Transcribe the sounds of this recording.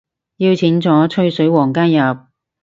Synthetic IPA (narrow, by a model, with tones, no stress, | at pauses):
jiː˧wt͡sʰiː˨˥nt͡sɔː˨˥t͡ʃʰɵ˥ɥsɵ˨˥ɥwɔː˨˩ŋkaː˥njɐ˨p̚